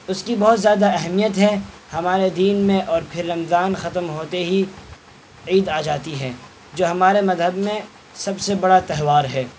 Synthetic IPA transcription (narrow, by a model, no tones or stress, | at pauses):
ʊskibɔɦʊt̪zjaːd̪aɛɦmijət̪ɦɛ | hɐmaːɾed̪iːnmẽʔɔːɾpʰɪɾːɐmzaːnxɐt̪əmɦoːt̪eɦi | iːd̪aːd͡ʒaːt̪iɦɛː | d͡ʒoːɦɐmaːɾemɐzɦəbmẽ | sɐbsebɐɽat̪ɛɦʋaːɾɦɛː